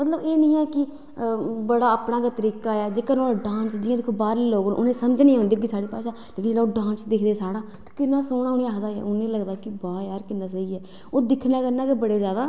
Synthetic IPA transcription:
mət̪ləbeːnĩːɛːkɪ | bəɽaːəːpnaːkat̪əɾiːkaːɛːd͡ʒeːkənoːaɖãːnsd͡ʒɪːãːd̪eːkʰːoːbaːɾiːloːɡ̰ʔo̰nẽːsəmd͡ʒnĩːõːnd̪iːɡiːsaːɽiːpaːʃaːleːkɪnd͡ʒlaːoːɖãːnsd̪ɪkʰd̪eːsaːɽãːt̪ḁkɪnːaːsoːɽãːʊniaːd̪aːɛ̰ːʊnẽːləɡd̪aːkɪbaːjaːɾkɪnːãːsəiːɡɛː | oːd̪ɪkʰnãːkəɾnaːkebəɽeːzjaːd̪aː

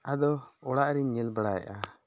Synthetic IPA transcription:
ad̪ɔɔɽaʔɾiɲːɛlbaɽajɛ̰ʔa

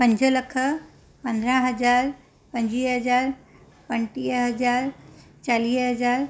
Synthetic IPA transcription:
pə̃ɲd͡ʒʱələkʰə | pə̃nd̪ɾãɦɐd͡ʒaːɾ | pə̃ɲd͡ʒiːɦɐd͡ʒaːɾ | pənʈiːɦɐd͡ʒaːɾ | t͡ʃaliːɦɐd͡ʒaːɾ

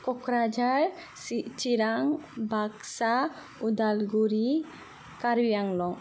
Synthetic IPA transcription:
kɔkɾad͡ʒaɾ | sit͡ʃiɾaŋbʱaksa | ud̪alɡuɾi | kaɾwijaŋlɔŋ

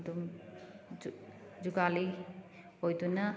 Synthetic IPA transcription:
dum | d͡ʒuɡali | ojduna

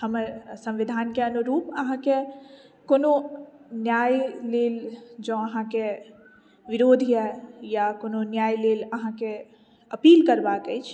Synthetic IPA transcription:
həmsɐ̃mʋɪd̪ʱaːnkeɐnuɾuːpɐɦãke | koːnonjaːjleːld͡ʒoːɐɦãke | ʋɪɾoːd̪ʱiɦɛjakoːnonjaːjleːlɐɦãke | ɐpiːlkɐɾbakəit͡ʃʰ

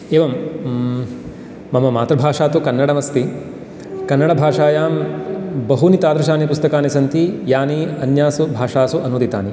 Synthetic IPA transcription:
eːʋɐm | ɐmɐma̰ːt̪ɾɐbʱaːʂaːt̪ukɐnːɐɽɐmɐst̪i | kɐnːɐɽɐbʱaːʂaːjaːmbɐɦunit̪aːd̪ɾɐʃ̬aːnipust̪ɐkaːnisɐnt̪ijaːniɐnjaːsubʱaːʂaːsuʔɐnud̪it̪aːni

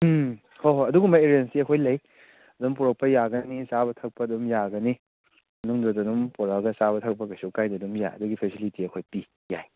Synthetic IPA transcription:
hoɦoɐduɡumbɐeɾiensiɐkʰojlɐj | ɐdumpuɾɐk̚pɐjaɡɐnisabɐtʰɐk̚pɐdumjaɡɐni | ɐnuŋdotɐdumpɔɾaɡɐsaβɐtʰɐk̚pɐkɐsukajdɐdumja̰ɐ̰duɡipʰesilitiɐkʰojpi | ja̰j

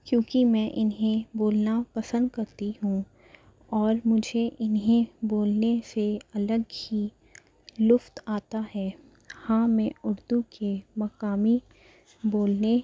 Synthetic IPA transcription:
kjõːkimɛ̃ːʔɪnɦẽboːlnapɐsə̃nd̪kɐɾt̪iɦũ | ɔːɾmʊd͡ʒʱeʔɪnɦẽboːlneseɐləɡhi | lʊft̪aːt̪aɦɛː | hãːmɛ̃ʊɾd̪ukemɐkaːmi | boːlne

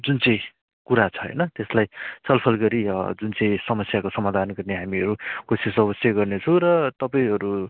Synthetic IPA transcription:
d͡zunt͡sʌj̃ | kuɾat͡sʰʌɦʌ̰jnʌt̪eslajt͡sʰʌlpʰʌlɡʌɾid͡zunt͡sʌ̃j̃sʌmʌsjakosʌmad̪ʱanɡʌrneɦamiʌɾukosisʌbʌsjʌɡʌrnet͡sʰʌ̃ɾʌt̪ʌpaĩɦʌɾu

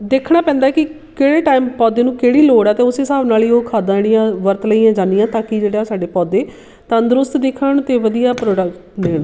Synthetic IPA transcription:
d̪eːkʰɽaːpɛ̃ːnd̪aːkɪ | keːɽeːʈaːɪmpɔːd̪eːnũːkeːɽiːloːɽɛːt̪eːʊseːsaːbnaːliːoːkʰaːd̪ãːɽijãːʋəɾt̪ləiːjãːd͡ʒaːnːɪjãːt̪ãːkɪd͡ʒeːɽaːsaːɖeːpɔːd̪eː | t̪ə̃nd̪ɾʊst̪d̪ɪkʰəɳt̪eːʋəd̪ijaːpɾoːɖəkneːn

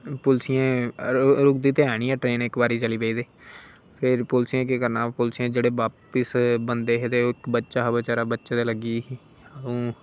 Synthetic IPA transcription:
pʊlsijẽː | ɾʊkd̪iːt̪eaːɽ̃iːɛːʈɾeːnɪkbaːɾiːt͡ʃəliːpeiːd̪eː | pʰɪɾpʊlsijẽːkɪkəɾnaːpʊlsiẽːd͡ʒeːɽeːʋaːpɪsbənd̪eːɦet̪eːoɪkbətːʃaːɦbət͡ʃaːɾaːbətːʃaːd̪eːləɡiː | əũː

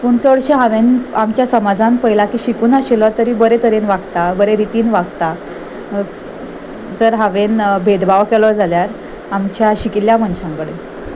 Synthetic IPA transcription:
puːɳt͡soɽɕeɦaʋenamt͡ɕjasəmad͡zãmpəɦilakiːɕikuːnaɕelɔt̪əɾiːbəɾet̪əɾenʋaɡt̪abəɾeɾit̪iːnʋaɡt̪a | d͡zəɾɦaʋenbʱed̪baʋkɛlɔd͡zʱaljaɾ | amt͡ɕjaɕikiljamənɕãŋkəɽen

